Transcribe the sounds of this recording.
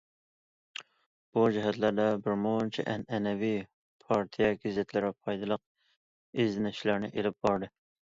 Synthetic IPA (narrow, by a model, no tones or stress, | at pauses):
b̥ud͡ʒɪɦɛt̪læɾd̪ɛbɪɾmont͡ʃʰɛ̰ʔɛnɛnɛvi | pʰɑɾt̪ʰijɛɡʲizɛt̪ʰlɪɾɪpʰɑjd̪ɨlˠəq̚ | ezɪnɪʃlæɾnɪʔelɪp̚b̥ɑɾd̪ɨ